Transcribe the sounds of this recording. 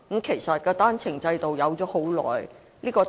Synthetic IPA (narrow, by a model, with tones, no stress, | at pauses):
m̩˥kʰe˨˩jsɐ˨t̚kɔː˧t̪aː˥nt͡sʰɪ˨˩ŋt͡sɐ˧jt̪o˨wjɐ˨˧wt͡sɔː˨˥ho˨˥wlɔ̰ː˨˩j | liː˥kɔː˧